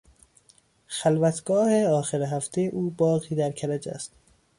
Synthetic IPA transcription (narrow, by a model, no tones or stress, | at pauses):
xælvæt̪ʰɡ̥ɒːheɒːxeɾeɦæft̪ʰejeʔuːbɒːɣiːd̪æɾkʰæɾæd͡ʒæ̰st̪